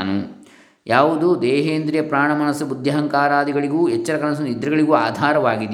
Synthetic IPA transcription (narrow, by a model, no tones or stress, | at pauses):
nu | jaːʋud̪ud̪ɛːɦeːnd̪ɾijɐpɾaːɳɐmɐnɐsːubud̪ʱjɐɦɐŋkaːɾaːd̪iɡɐɭiɡuːɛt͡ʃːɐɾɐkɐnɐs̬ɐnid̪ɾɐɡɐɭiɡuːaːd̪ʱaːɾɐʋaːɡid̪